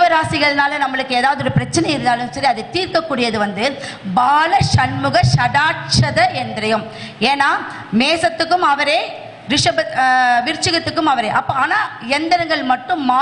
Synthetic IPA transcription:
ʋɐɾaːsɪɣɐɭnaːlɐnɐmːɐɭɯkːɯeːðaːʋɐðɯɔɾɯpɪɾɐt͡ʃːɐnɐjɪɾɯnd̪aːlɯmsɐɾiɐðɛt̪iːɾkɐkːuːɽɪjɐðɯʋɐnd̪ɯ | baːlɐʂɐnmɯɣɐʂɐɽaːʈt͡ʃɐðɐɛnd̪rɐjɯm | eːnaː | meːsɐt̪ːɯkːɯmɐʋɐɾeː | ɾɪʂɐbɐʋɪɾt͡ʃːɯɣɐt̪ːɯkːɯmɐʋɐɾeːʔɐpːoaːnaːɛnd̪ɐɾɐŋɡɐɭmɐʈːɯmːaː

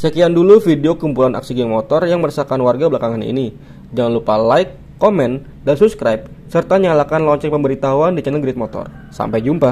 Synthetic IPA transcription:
səkiandulufideokumpulanʔa̰ksiɡɛŋmot̪ɔrjaŋməɾasakanwarɡabəlakaŋanḭni | d͡ʒaŋanlupalajkːomɛn | dansupskɾajp̚ | sərt̪aɲalakanlɔɲt͡ʃɛŋ̚pəmbəɾit̪auandit͡ʃɛnəɡɾɪt̪̚mɔt̪ɔ̰r | sa̰mpajd͡ʒumpa

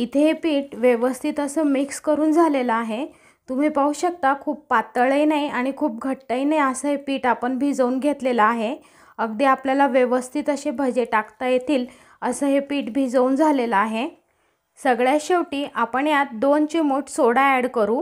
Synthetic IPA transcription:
it̪ʰeɦepiːʈʋjeʋəst̪ʰit̪əsəːmikskəɾuːnd͡zʱaleləaɦe | t̪um̤iːpauːɕək̚t̪akʰuːpːat̪əɭəjnajaɽ̃ikʰuːp̚ɡʱəʈːajnajəsəːɦepiːʈapəɳbʱiːd͡zəuːnɡʱet̪leləaɦe | əɡd̪eapljalaʋjeʋəst̪ʰit̪əɕebʱəd͡ʑeʈakt̪ajet̪ʰiːl | əsəːɦepiːʈbʱiːd͡zəuːnd͡zʱaleləaɦe | səɡɭjaɕeʋʈiːʔapəɳjat̪̚d̪ont͡ɕemoʈsoɽaæɽkəɾuː

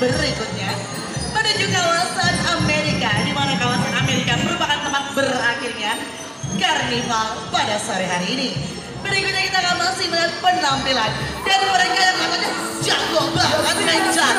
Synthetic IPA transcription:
bəɾikʊt̪̚ɲa | mədad͡ʒukawasanameɾikadimanakawasanameɾikaməɾupakant̪əmat̪̚bəɾakirɲa | karnifalpadasaɾiɦaɾiːni | bəɾikʊt̪ɲakit̪akamasiməlanpənampilandankoɾankaalak̪aɲa | d͡ʒaɡɔbəlauɦat̪̚əŋand͡ʒa

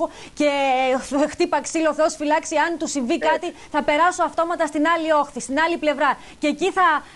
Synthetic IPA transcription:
o | ce̞ | xt̪ipɐksiloθeo̞sfilɐksiɐnt̪usiɱvikɐt̪iθɐpe̞ɾɐsoɐft̪o̞mɐt̪ɐst̪inɐlio̞xθist̪inɐliple̞vɾɐ | ceciθɐ

